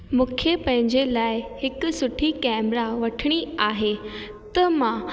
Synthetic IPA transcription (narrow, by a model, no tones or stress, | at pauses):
mũːkʰepɐ̃ɦɪ̃ɲd͡ʑelaːɪhɪksʊʈʰikɛːmɾaʋɐʈʰɪɽ̃iaːɦe | t̪ɐmã